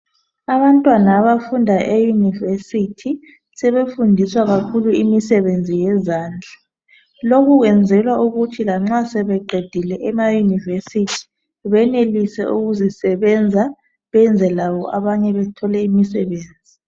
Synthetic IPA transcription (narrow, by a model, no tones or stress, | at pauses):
aβantʼwanaːβafundʱaʔejunivesitʰi | sɛβefundʱiswaɣakʰuluimisɛβend͡zʱijɛzaːnd͡ɮʱa | lokʰuɣɛnd͡zʱɛlwauɣutʰilaŋ͡ǁasɛβɛǃed̥ʱilɛʔɛmajunivesitʰi̥ | βɛnelisɛ̰ʔuɣuzisɛβɛnd͡zʱa | βɛnd͡zʱɛlawɔʔaβaɲɛβɛtʰɔlɛimisɛβeːnd͡zʱi